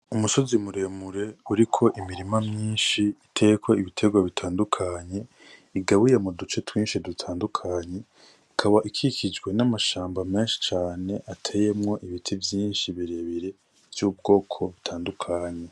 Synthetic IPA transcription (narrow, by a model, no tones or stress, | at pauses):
umuso̞zimuɾe̞muɾe̞uɾikʰo̞ʔimiɾimamɲiːnʃiitʰe̞kwoiβitʰe̞ɡwaβitʰaːndukʰaɲe̞ | iɡaβujemudut͡ʃe̞twiːnʃidutʰaːndukʰaɲe̞ | ikʰaβaʔikʰikʰid͡ʒɡwe̞namaʃaːmbame̞ːnʃi̥t͡ʃaːne̞ʔatʰe̞je̞mŋo̞ʔiβitʰivjiːnʃiβiɾeβiɾe̞ | vjub̚ɡo̞ːkʰo̞βitʰaːndukʰaɲe̞